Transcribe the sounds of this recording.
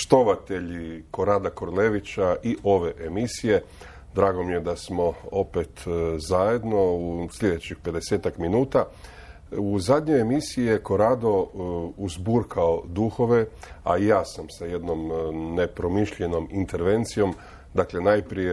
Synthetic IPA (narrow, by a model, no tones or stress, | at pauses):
ʃt̪o̞ʋat̪e̞ʎiko̞ɾaːd̪akoɾleʋit͡ɕaʔiʔo̞ʋe̞ʔemisije̞ | d̪ɾaːɡo̞mije̞d̪asmo̞o̞pe̞t̪zaje̞d̪no̞uslʎʲed̪e̞t͡ɕixpe̞d̪e̞se̞ːt̪akminuːt̪a | uzad̪ɲo̞jemisijijeko̞ɾaːd̪o̞uzbuːɾkʰaod̪uxo̞ʋe̞a̰jaːsamsaje̞d̪no̞mne̞pɾo̞miʃʎe̞no̞mint̪e̞ɾʋe̞nt̪sijo̞m | d̪akle̞najpɾije